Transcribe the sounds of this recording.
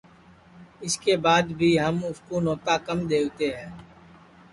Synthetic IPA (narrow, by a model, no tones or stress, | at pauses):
ɪskeːbaːd̪bʱiːɦəmʊskoːnoːt̪aːkəmd̪eːt̪eːɦɛ̃ː